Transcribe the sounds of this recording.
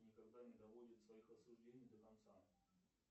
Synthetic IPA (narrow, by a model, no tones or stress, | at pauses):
nʲɪkɐɡd̪anʲɪd̪ɐvo̞dʲɪt̪svɐixɐsʊʐdʲenʲɪjd̪əkɐnt̪sa